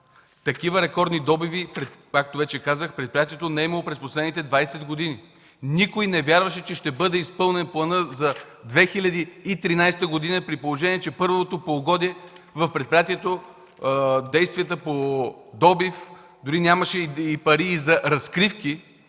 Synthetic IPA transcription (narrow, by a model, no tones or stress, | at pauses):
t̪ɐkivəɾɛkɔɾd̪nid̪ɔbivipɾɛkak̚t̪ovɛt͡ʃɛkazəxpɾɛt̪̚pɾijat̪iɛt̪onɛɛimɐlˠopɾɛsposlɛd̪nit̪ɛd̪vajsɛd̪ɡod̪ini | nikojnɛvʲjaɾvəʃɛt͡ʃɛʃt̪ɛbɤd̪ɛispɤlˠnɛnplˠɐnɤzɐ | d̪vɛxilʲɐd̪iːt̪ɾinajst̪əɡod̪inəpɾipolˠoʒɛniɛt͡ʃɛpɤɾvot̪opoɡɔd̪iɛ | vɐfpɾɛt̪̚pɾijat̪iɛt̪o | d̪ɛjst̪vʲiət̪əpod̪ɔbif | d̪ʊɾinʲaməʃɛipɐɾiːzɐɾɐskɾifki